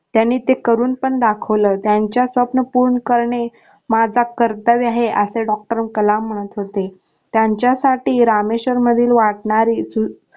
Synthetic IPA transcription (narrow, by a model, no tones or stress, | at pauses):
t̪janːiːt̪ekəɾuːnpəɳd̪akʰəʋləːt̪jaɲt͡ɕjasʋəpnəpuɾɳəkəɾɳe | mad͡zʱakəɾt̪əʋaɦeʔəseɖɔk̚ʈəɾmkəlam̤ːəɽ̃ət̪ɦot̪e | t̪jaɲt͡ɕjasaʈiːɾameɕəɾməd̪ʱiːlʋaʈ̚ɳaɾiːsu